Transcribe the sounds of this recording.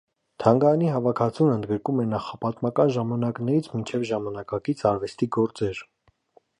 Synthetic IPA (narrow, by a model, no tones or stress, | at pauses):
t̪ʰɑŋɡɑjɑniɦɑvɑkʰɑt͡sʰunənd̪ɡəɾkumɛnɑχɑpɑt̪mɑkɑnʒɑmɑnɑknɛɾit͡sʰmint͡ʃʰɛvʒɑmɑnɑkɑkit͡sʰɑɾvɛst̪iɡɔɾt͡sɛɾ